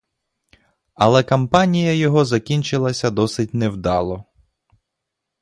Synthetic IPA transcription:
ɐlˠɛkɐmpɑnʲijɐjɔɦɔzɐkʲinʲt͡ʃɪlˠɐsʲɐd̪ɔsɪtʲnɛwd̪ɑlˠɔ

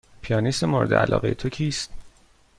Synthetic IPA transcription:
pʰijɒːnist̪emoɾed̪eʔæ̰lʔɒ̰ːɣejet̪ʰocʰiːst̪

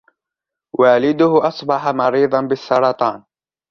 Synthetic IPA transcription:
waːlɪd̪ʊhʊʔɑsˤbɑħɑmɑɾiːðˤɑnbɪsːɑɾˤɑt̪ˤɑːn

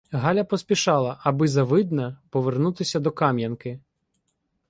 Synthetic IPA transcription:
ɦɑlʲɐpɔsʲpʲiʃɑlˠɐʔɐbɪzɐʋɪd̪nɐpɔʋernut̪ɪsʲɐd̪ɔkɑmʲjɐnkɪ

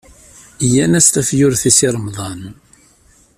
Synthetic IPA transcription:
jænæst̪æfjʊɾθisiɾˤəmðˤɑn

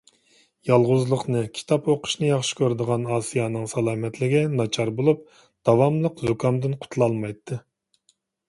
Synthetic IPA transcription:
jɑlˠʁʊzlˠəqnɨkʲʰi̥t̪ʰɑpoqʰʊ̥ʃnɨjɑχʃɪ̥kʲʰøɾd̪əʁɑnɑːsijɑnɨŋsɑlˠɑːmɛt̪ʰlɪɡʲɛnɑt͡ʃʰɑɾbolˠup̚ | d̪̥ɑwɑmlˠəqzukʰɑmd̪ɨnqʰʊ̥t̪ʰlˠɑlˠmɑjt̪ʰːɨ

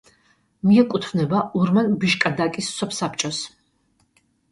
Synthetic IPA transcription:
miɛkʼut̪ʰvnɛbauɾmanbiʃkʼad̪akʼisːɔpʰsapʰt͡ʃʼɔs

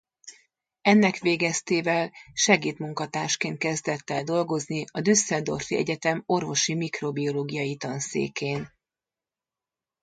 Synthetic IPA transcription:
ɛnːɛkʋeːɡɛst̪eːvɛlʃɛɡiːt̪muŋkɒt̪aːʃkeːnt̪̚kɛzd̪ɛt̪ːɛld̪o̞lɡo̞zniɒd̪ysːɛld̪o̞̰rfiɛ̰ɟɛt̪ɛmo̞rvo̞ʃimikro̞bio̞loːɡijɒjit̪ɒnsḛːkeːn

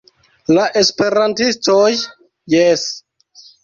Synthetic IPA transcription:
laʔe̞spe̞ɾantistojː | es

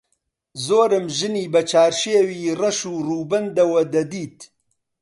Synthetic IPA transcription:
zoːɾɨmʒɨniːbɐt͡ʃʰaːɾʃeːwiːrɐʃuːruːbɐnd̪ɐwɐd̪ɐd̪iːt̪

